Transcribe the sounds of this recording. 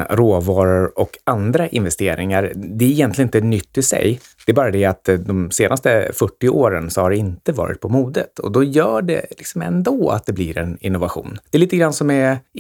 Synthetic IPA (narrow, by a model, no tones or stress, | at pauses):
ɾoːvɑːɾəɾɔkand̪ɾaʔɪnvɛst̪eːɾɪŋaɾd̪ɛæɾɪjɛnt̪lɪɡnɪt̪ənʏt̪ːɪsɛ̰j | d̥̪ɛːbɑːɾad̪ɛat̪d̪ɔmseːnʔast̪əfœʈːɪoːɾənsɔhaɖɛɪnt̪əvɑ̰ːɾɪ̰t̪̚pʰɔmuːd̪ət̪ʰɔ̰d̪ɔjœːɖɛ̰lɪksɔmɛ̰nd̪oːa̰t̪̚d̪ɛblɪɾɛnɪ̰nːʊvaɧṵːnd̪̥ɛliːt̪əɡɾansɔmɛ